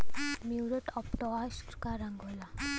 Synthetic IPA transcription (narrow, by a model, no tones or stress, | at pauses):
muwɾəʈɔplɔasʈkaɾə̃ŋɡɦola